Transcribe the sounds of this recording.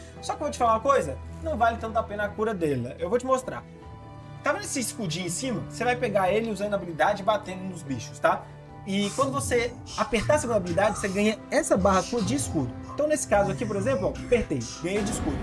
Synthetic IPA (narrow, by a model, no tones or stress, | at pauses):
sɔkɪeovowt͡ʃɪ̥falaũmɐkojzɐnɐ̃w̃valɪt̪ɐ̃nt̪ʊapẽnɐakuɾɐd̪ɛlɐ̰ewvowt͡ʃɪmost̪ɾa̰ | t̪avɐnesɪiskud͡ʒĩẽsĩmɐosevajpeɡaelɪuzɐ̃d̪ʊabilid̪ad͡ʒɪɪbat̪ẽnd̪ʊnʊzbiʃʊ̥st̪a | ɪkwɐ̃d̪ʊvose | apeɾt̪aseũd̪ɐabilid̪ad͡ʒɪvoseɡɐ̃ɲɐɛsɐbaɦɐkuɾɐd͡ʒɪːskud̪ʊẽt̪ɐ̃w̃nesɪ̥kazʊakip̬oɾezẽmplʊɔpeɾt̪ẽjɡɐ̃j̃ejd͡ʒɪiskud̪ʊ